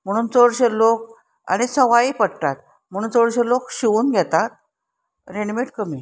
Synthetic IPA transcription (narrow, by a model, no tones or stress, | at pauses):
m̤əɽ̃uːnt͡səɽɕelok | a̰ñit͡sʰəʋaipəɽʈ̪at̪ | m̤əɽ̃uːnt͡səɽɕelokɕiʋuːnɡʱjɛt̪at̪̚ | ɾenmeʈkəmi